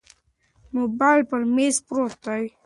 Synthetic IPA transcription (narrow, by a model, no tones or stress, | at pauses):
mobajlpəɾmespɾot̪ːaj